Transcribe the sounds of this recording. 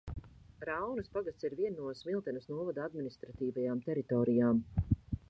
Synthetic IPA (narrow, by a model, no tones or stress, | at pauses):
ɾawnuspaɡast̪siɾviɛnːuɔsmilˠt̪ɛnusnuɔvad̪aad̪minist̪ɾat̪iːvajaːmt̪ɛɾit̪ɔːɾijaːm